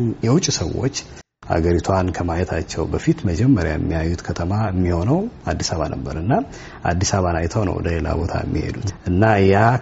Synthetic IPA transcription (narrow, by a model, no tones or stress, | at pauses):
jɛwʊt͡ʃʼsəwːo̞̰t͡ʃː | ha̰ɡəɾit̪ʰwankʰəmajɛt̪ʰat͡ʃːɛwbəfit̪məd͡ʒɛmːəɾja̰jɛmːijajːut̪kʰət̪ʰəmaɨmːiho̞nəwad̪ːisaβanʔə̰bːəɾɨnːa | a̰d̪ːisaβanajt̪ʰəwnə̰w̰d̪əlela̰bo̞t̪ʰa̰jɛ̰mːihḛd̪ut̪ʔɨnːaja